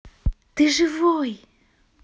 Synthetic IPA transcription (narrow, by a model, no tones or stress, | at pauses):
t̪ɨʐɨvoj